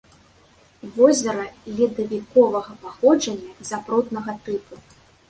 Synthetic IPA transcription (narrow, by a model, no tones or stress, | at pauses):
vɔzʲɐɾɐlʲid̪ɐvʲikɔvɐɣɐpaxɔd͡ʐɐnʲːɐzʲapɾɔt̪nɐɣɐt̪ɨpu